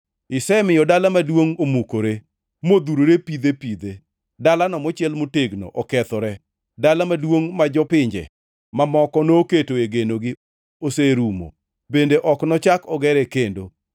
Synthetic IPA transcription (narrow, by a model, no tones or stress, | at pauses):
ɪsɛmɪjɔdalamadwoŋomukoɾe | mod̪uɾoɾepid̪epid̪e | dalanɔmɔt͡ʃɪɛlmoteɡno̰ʔɔkɛt̪ɔɾɛ | dalamadwoŋmad͡ʒɔpɪɲd͡ʒɛ̰ | mamɔkɔnoketoeɡenoɡɪ | oseɾumo̰ | bendeʔɔknɔt͡ʃakɔɡɛɾɛkendo